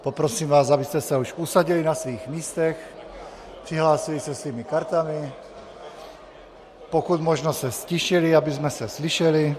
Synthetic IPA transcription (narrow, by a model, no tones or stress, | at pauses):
popɾosiːmvaːsabist̪ɛsɛuʃusaɟilinasʋiːxmiːst̪ɛx | pr̥iɦlaːsilisɛsviːmikaɾt̪ami | pokut̪moʒnosɛsciʃiliabizmɛsɛsliʃɛli